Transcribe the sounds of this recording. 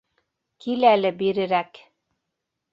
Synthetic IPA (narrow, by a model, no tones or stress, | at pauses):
kilælɘbiɾɘ̆ɾæk